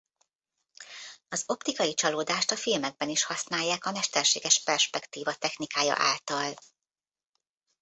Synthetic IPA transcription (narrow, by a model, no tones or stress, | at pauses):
ɒzo̞pt̪ikɒjit͡ʃɒloːd̪aːʃt̪ɒfilmɛɡ̚bɛniʃhɒsnaːjːaːkɒmɛʃt̪ɛrʃḛːɡɛʃpɛrʃpɛkt̪iːvɒt̪ɛxnikaːjɒ̰ʔa̰ːlt̪ɒl